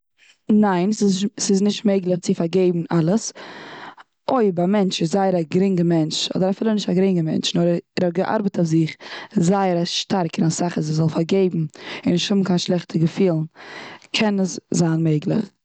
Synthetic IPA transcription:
naɪnssɪznɪʃtmeɪɡlˠəχt͡sɪfaɾɡeɪbm̩ʔalˠəs | ʔoɪbamɛnt͡ʃɪszaɪəɾaɡɾɪŋɡəmɛnt͡ʃɔ̰dəɾafiːlˠənɪʃtaɡɾɪŋəmɛ̰nt͡ʃnɔɾɛɾhɔt̚ɡəʔa̰ɾbətɔfzɪχzaɪəɾaʃtʰaɾkəɾasaχazɪzɔlˠfaɾɡeɪbm̩ɪnɪʃthʊbm̩kaɪnʃlˠɛχtʰəɡəfiːlˠn̩kʰɛnəszaːnmeɪɡlˠɪ̰χ

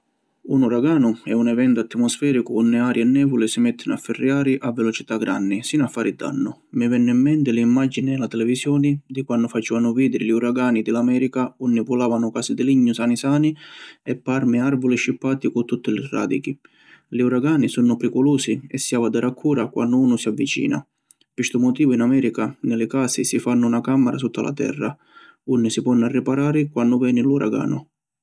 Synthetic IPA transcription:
unuɾaɡaːnʊɛunɛvɛnt̪ʊat̪ːmɔsfɛːɾikʊunːɪaːɾjɛnːɛːvʊlɪsɪmɛt̪ʰːɪnʊafːɪrːjaːɾɪʔavːɛlɔt͡ʃit̪aɡɾanːɪsinafːaːɾid̪a̰nːʊ | mɪvɛnːimːɛnt̪ɪlɪːmːad͡ʒinɪɛlat̪ɛlɛvisjɔːnɪd̪ikwanːʊfat͡ʃiːvanʊviːd̪ɪɾɪliuɾaɡaːnid̪ɪlamɛːɾikaunːipulaːvanʊkaːsid̪ɪliɲːʊsaːnisaːniɛpːaɾmɪarvʊlɪʃːipːaːt̪ikʊt̪ːut̪ːɪlɪra̰ːd̪ḭki | lɪuɾaɡaːnisunːʊpɾikʊluːsiɛsːiavad̪ɛɾakʰːuːɾakwʔa̰nːʊuːnʊsiavːit͡ʃḭːna̰ | pist̪ʊmʊt̪iːvʊinamɛːɾikanɪlɪkaːsɪsifanːʊːnakamːɛɾʔa̰sut̪ːalʔa̰t̪ɛ̰rːa | unːɪsipɔnːarːɪpaɾaːɾɪkwanːʊvɛːnɪluɾa̰ɡa̰ːnʊ

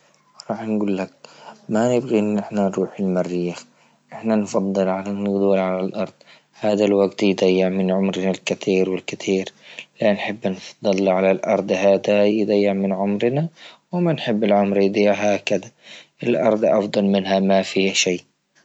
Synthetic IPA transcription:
ɾˤɑːħnɡuːlːak̚manɪbɣiʔɪnːʔɪħnanɾˤuːħɪlmarːɪjːax | ʔɪħnanfɑd̪ˤːɨlʕalanːɪɡd̪uːlʕalalʔɑɾˤd̪ˤ | haːd̪alwaɡt̪jd̪ajːɪʕmɪnʕʊmɾnalkɪt̪iːɾwɪlkɪt̪ʰiːɾlanħɪbːnfɑ̥d̪ˤːɨlːʕalalʔɑɾˤd̪ˤhaːd̪ajd̪ˤajːɪʕmɪnʕʊmɾnawɪmanħɪbːɪlʕʊmɾjd̪iːʕɦaːkɪd̪aʔɪlʔɑ̰ɾˤd̪ˤʔɑfd̪ˤɑlmɪnɦamafiːhʃiː

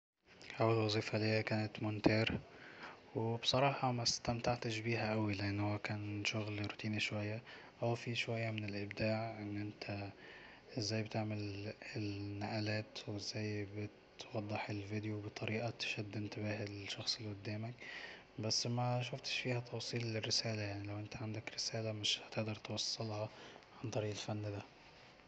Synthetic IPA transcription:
hawalwɑzˤiːfɑlijakæːnɪt̪mʊnt̪ɑːɾ | websˤɑɾˤɑːħɑmast̪amt̪aʕt̪ɪʃbiːɦæʔawilɪʔɪnːhowːækæːnʃʊɣlɾʊt̪iːniʃwajːaʔawfiʃowajːamɪnɪlʔɪbd̪aːʕʔɪnːʔɪnt̪ʰæ | ʔɪzːæːjbt̪eʕmɪlɪlnaʔælæːt̪wezːæjːbɪt̪wɑd̪ˤːɨħelvid̪jobɨt̪ˤɑɾiːʔat̪ʃæd̪ːɪnt̪ɪbæːhɪlʃːɑxsˤelʔʊd̪ːæːmæk | bæsːmæʃ̬ʊft̪ʃfiːhæt̪ʰɑwsˤiːlɪrːɪsæːlajaʕnilæwʔɪnt̪æʕand̪ækɾɪsæːlamɪʃhæt̪ɪʔd̪ɑɾˤt̪wɑsˤːɑlhɑʕant̪ˤɑɾiːʔelfænːd̪æ

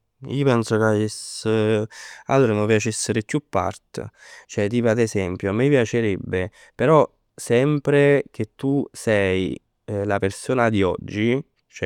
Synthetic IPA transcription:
ḭːopɛnsokaes | a̰lt̪ɾenõpjat͡ʃɛsːeɾekːjupːa̰rt̪t͡ʃoɛt̪ipad̪esɛmpjoamepjat͡ʃeɾɛbːe | peɾɔ | sɛmpɾek̟et̪ːusɛj | lapersoːnad̪iɔ̰d͡ʒːi | t͡ʃɛ

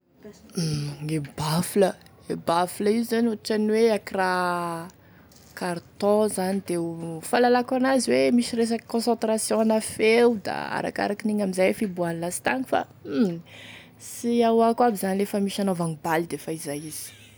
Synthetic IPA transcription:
ŋebaflə | ebafuləizzanuaʈ͡ʂanweakira | kaɾt̪ɔ̃zanid̪efalalakanaziwemiʃiɾes̬aki̥kɔ̃sɑ̃t̪ɾasjɔ̃anafewd̪a̰a̰ɾa̰ka̰ɾakiniɲamizajfibuanlasi̥t̪aŋu̥fa̰ | siawakabizanilefəmiʃanovaŋibalid̪efaizajiz̥i̥

